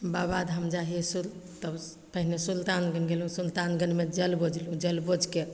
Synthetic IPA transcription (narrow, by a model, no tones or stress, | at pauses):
babad̪ɦəmd͡ʒaɦiesult̪əb | pəɦinesult̪anɡənɡelɦũsult̪anɡənmed͡ʒəlbod͡ʒlũd͡ʒəlbod͡ʒke